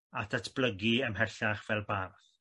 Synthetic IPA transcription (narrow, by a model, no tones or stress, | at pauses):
atʰatʰb̥ləɡiəmɦɛɬaχv̥ɛlˠbarθ